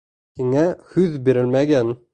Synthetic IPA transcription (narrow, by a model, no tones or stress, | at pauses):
hiŋæhʉðbiɾɘlmæɡæn